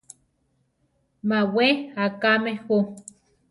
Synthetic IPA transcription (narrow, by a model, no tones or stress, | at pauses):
maweakamehu